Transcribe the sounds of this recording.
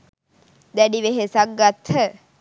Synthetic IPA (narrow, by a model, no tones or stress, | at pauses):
d̪æɖiʋeɦesaɡːat̪hə